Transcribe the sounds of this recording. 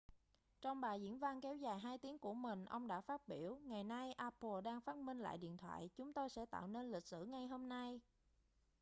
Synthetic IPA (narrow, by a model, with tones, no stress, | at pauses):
t͡ɕɔ˧wŋ͡mɓaː˨˩zḭ˧˥ənva˧nkɛ˨˦wzaː˨˩jɦaː˧jt̪i˨˦əŋku˧˩əmï˨˩ŋ̟ʔə˧wŋ͡mɗa̰ː˧˥faː˦˥t̚ɓi˧˩əwŋa˨˩jna˧jʔaː˧po˨˩ɗaː˧ŋfaː˦˥t̚mï˧ŋ̟la̰ː˧˨jɗḭ˧˨nt̪ʰwa̰ː˧˨jt͡ɕʊ˨˦ŋ͡mt̪o˧jsɛ̰˧˥t̪a̰ː˧˨wne˧nli˨˩k̟̚sɨ̰˧˩ŋa˨˩jɦo˧mna˧j